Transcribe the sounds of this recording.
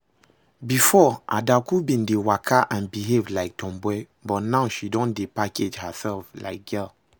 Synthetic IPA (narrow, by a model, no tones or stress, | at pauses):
bifɔʔa̰dakubĩndewakʰaʔãnbiɦevlaɪk̚tʰɔ̃mbwɛ | bɔtnaʊʃidɔ̃ndepaked͡ʒhəsɛlfla̰ɪk̚ɡɛl